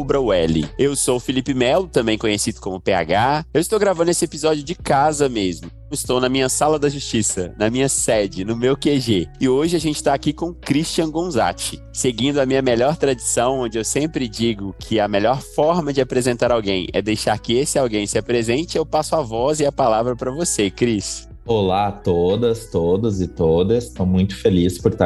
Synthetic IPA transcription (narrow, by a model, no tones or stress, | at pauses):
bɾɐwɛlɪ̰ewsowfilipɪmɛlʊt̪ɐ̃mbẽj̃kõɲesid̪ʊkõmʊpea̰ɡaewɪst̪owɡɾavɐ̃nd̪ʊesɪepizɔd͡ʒiʊd͡ʒɪkazɐmezmʊ | ɪst̪ownɐmĩɲɐsalɐd̪ɐʒust͡ʃisɐ̰nɐmĩɲɐsɛd͡ʒɪnʊmewkeʒeɪoʒɪaʒẽnt͡ʃɪ̥t̪akikõkɾiʃt͡ʃiɐ̃ɡõza̰t͡ʃɪ | seɡĩnd̪ʊɐmĩɲɐmeʎɔɾt̪ɾad͡ʒisɐ̃w̃õnd͡ʒɪewsẽmpɾɪd͡ʒiɡʊkʰɪɐmeʎɔɾffɔɾmɐd͡ʒɪapɾezẽnt̪aɾawɡḛ̃j̃ɛ̰d̪ejʃaɾkɪesɪawɡẽj̃sɪapɾezẽnt͡ʃɪewpasʊavɔzɪɐpalavɾɐpɾɐvosekɾis | olat̪od̪ɐst̪od̪ɐzɪt̪od̪ɐst̪ɐ̃w̃mũj̃t̪ʊ̥felispʊɾt̪a